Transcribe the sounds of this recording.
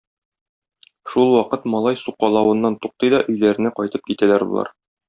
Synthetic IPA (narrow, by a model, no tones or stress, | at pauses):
ʃulˠwɒqɤt̪mɒlˠɑjsuqɑlˠɑwɤ̆nːɑnt̪uq̚t̪ɤjd̪ɒʔɵ̆jlæɾɘ̆næqɒjt̪ɤp̚kit̪ælæɾbṵlˠɑ̰ɾ